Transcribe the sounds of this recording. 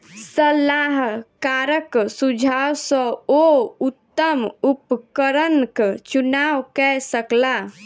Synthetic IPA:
səlaɦkaɾəksud͡ʒʱawsə̃out̪ːəmupkəɾənkt͡ʃunawkɛsəkla

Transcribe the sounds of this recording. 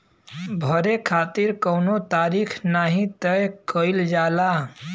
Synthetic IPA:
bʱəɾekʰat̪iɾkəwnot̪aɾikʰnaɦĩt̪əjkəɪld͡ʒala

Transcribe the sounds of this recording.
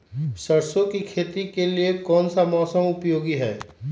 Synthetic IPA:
sɐɾsõkikʰeːt̪ikeliekɔːnsamɔːsəmʊpjoːɡiɦɛː

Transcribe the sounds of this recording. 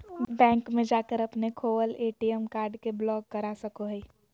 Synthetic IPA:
bɛ̃ːŋkmẽd͡ʒaːkəɾɐpnekʰoːwəleːʈiəmkaːɾɖkeblɔːɡ̚kɐɾasɐkoɦɛi

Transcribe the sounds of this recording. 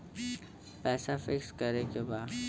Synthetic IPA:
pɛːsafɪkskɐɾekebaːd̪

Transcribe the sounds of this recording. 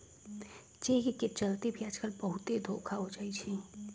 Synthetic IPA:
d͡ʒekeket͡ʃəlt̪ebʱijaːd͡ʒkəlbəɦʊt̪ed̪ʱoːkʰaɦod͡ʒaːit͡ʃʰi

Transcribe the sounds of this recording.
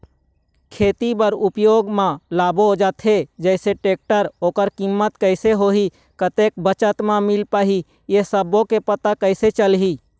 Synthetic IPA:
kʰeːt̪ibəɾupjoːɡmãlaːbod͡ʒat̪ʰed͡ʒəɪseʈeːk̚ʈəɾoːkəɾkimːət̪kəɪseɦoɦi | kət̪ek̚bət͡ʃət̪mamilpaːɦi | jesəbõkepət̪akəɪset͡ʃəlɦi

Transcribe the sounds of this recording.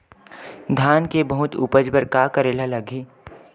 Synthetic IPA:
d̪ʱaːnkebəɦʊt̪ṵːpəd͡ʒbəɾkaːkəɾeːlalɐɡʱiː

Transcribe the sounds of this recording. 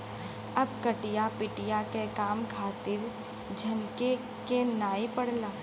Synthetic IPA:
ɐb̚kɐʈijapɪʈijakekaːmkʰaːt̪ɪɾ | d͡ʒʱɐnke | kenaːipɐɽlaː

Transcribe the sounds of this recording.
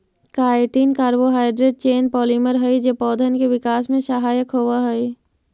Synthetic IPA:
kaːɪʈiːnkaːɾboɦaːɪɖɾeɖ̚t͡ʃeːnpɔːliməɾɦəid͡ʒeːpɔːd̪ʱənkeʋɪkaːsmẽʃəɦaːjəkɦoːʋaɦəi

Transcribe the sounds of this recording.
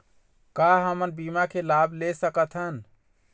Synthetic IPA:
kaɦəmənbimakʰelabʱlesəkət̪ʰɦən

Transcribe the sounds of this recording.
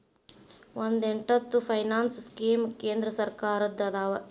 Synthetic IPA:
ʋond̪eɳʈɐt̪ːupʰɐjnaːnsskiːmke̞ːnd̪ɾɐsɐɾkaːɾɐd̪ːɐd̪aːʋɐ

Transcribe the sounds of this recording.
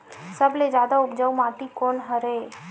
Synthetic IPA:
səbled͡ʒjaːd̪aʊpd͡ʒəumãːt̪ikoːnɦəɾe

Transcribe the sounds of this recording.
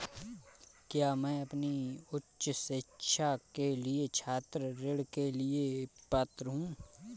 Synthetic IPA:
kjaːmɛ̃ːɐpniʊtʃsɪkːʃʰakeliet͡ʃʰaːt̪ɾəɾɪɽkeliepɐt̪ɾɦũː

